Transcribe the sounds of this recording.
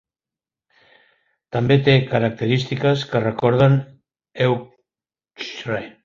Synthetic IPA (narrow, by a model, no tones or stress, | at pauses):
t̪ambet̪ekaɾak̚t̪eɾist̪ikaskərekɔɾð̞an | ew | ʃɾaj